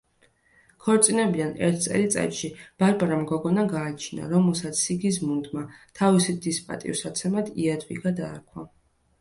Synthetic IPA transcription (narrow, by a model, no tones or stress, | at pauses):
kʰɔɾt̪sʼinɛbid̪anɛ̰ɾt̪̚ʰt̪sʼɛ̰lit̪sʼɛ̰t̪ʃib̥aɾbaɾamɡɔɡɔnaɡaːt͡ʃʰina̰ɾɔmɛlˠsat̪sʰːiɡis̬mund̪mat̪ʰavisid̪ispʼa̰t̪ʼḭvsat̪sʰɛmad̪iad̪vḭɡad̪a̰ːɾkʰwa